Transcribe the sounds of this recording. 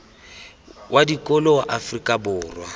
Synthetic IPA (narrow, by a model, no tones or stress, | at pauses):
wʔadikʼɔlɔwaʔafrikʼabʊːrwa̰